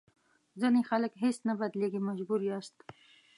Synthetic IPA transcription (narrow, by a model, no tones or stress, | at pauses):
zinixaləkɦesnabad̪leɡimaʒbuɾiast̪